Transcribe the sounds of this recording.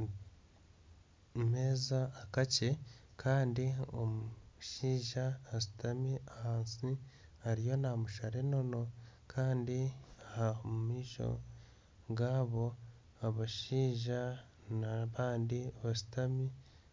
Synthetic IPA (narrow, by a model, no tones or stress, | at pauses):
me̞ːzaːkace̞ | kʰaːndiomuʃiːʒaːsi̥tamiahaːnsi | haɾijo̞namuʃaɾeno̞no̞kʰaːndiahamumiːʃo̞̰ | ɡaːβo̞ | aβaʃiːʒa | naβaːndiβasi̥tami